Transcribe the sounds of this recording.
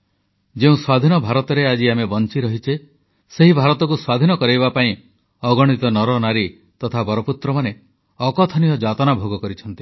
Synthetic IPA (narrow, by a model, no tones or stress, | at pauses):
d͡ʒeũswad̪ʱinɔbʱaɾɔt̪ɔɾead͡ʒiamebɔnt͡ʃiɾɔɦit͡ʃʰe | seɦibʱaɾɔt̪ɔk̬uswad̪ʱinɔkɔɾejbapaĩ | ɔɡɔɽ̃it̪ɔnɔɾɔnaɾi | t̪ɔt̪ʰabɔɾɔput̪ɾɔmane | ɔkɔt̪ʰɔnijɔd͡ʒat̪ɔnabʱoɡɔkɔɾit͡ʃʰɔnt̪i̥